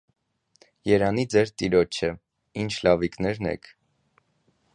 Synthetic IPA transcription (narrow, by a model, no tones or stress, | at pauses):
jɛɾɑnid͡zɛɾt̪iɾɔt͡ʃʰə | int͡ʃʰlɑviknɛɾnɛ̰kʰ